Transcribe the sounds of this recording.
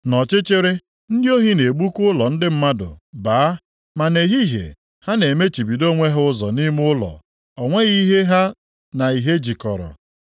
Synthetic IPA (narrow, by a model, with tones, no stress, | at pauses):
nɔ˨t͡ʃɪ˦t͡ʃɪ˦ɾɪ˦ | n̩˦dɪ˦o˦ɦi˦ne˨ɡ͡bu˦kʊ˦ʊ˦lɔ˨n̩˦dɪ˦m̩˦ma˦dʊ̰˨baː˨˦ | ma˨ne˨ɦi˦ɦḛ˨ | ha˦ne˨me˦t͡ʃi˨bi˨do˦ŋʷe˦ɦʊ˦ʊ˦zɔ˨ni˦mʊ˦ʊ˦lɔ̰˨ | ɔ˨ŋʷe˦ɣi˦ɦe˦ɦa˦ | na˨i˨ɦe˦d͡ʒi˨kɔ˨ɾɔ̰˨